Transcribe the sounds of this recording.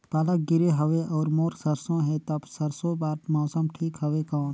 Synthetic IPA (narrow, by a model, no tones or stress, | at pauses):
paːlək̚ɡɪɾeɦɐʋeʔɔːɾmoːɾsɐɾsõɦɛt̪ɐbsɐɾsõbaːt̪mɔːsəmʈʰiːkɦɐʋekɔːn